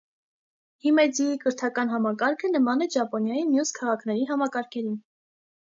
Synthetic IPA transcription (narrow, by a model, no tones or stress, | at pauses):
himɛd͡ziikəɾt̪ʰɑkɑn̪ɦɑmɑkɑɾkʰənəmɑnɛd͡ʒɑpɔnjɑjimjuskʰɑʁɑkʰnɛɾiɦɑmɑkɑɾkʰɛɾin